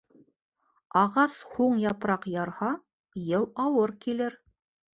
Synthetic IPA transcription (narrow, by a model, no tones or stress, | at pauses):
ɑʁɑshuɴjɑpɾɑqjɑɾhɑ | jɤlˠɑwɤɾkilɘɾ